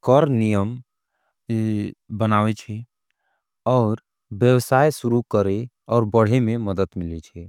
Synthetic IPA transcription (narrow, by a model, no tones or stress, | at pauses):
kɔɾnijəm | bənaːwet͡ʃʰɛ | ɔːɾ | bjəwsaːjsuɾukəɾe | ɔːɾbəɽ̤emẽməd̪əd̪mɪlet͡ʃʰɛ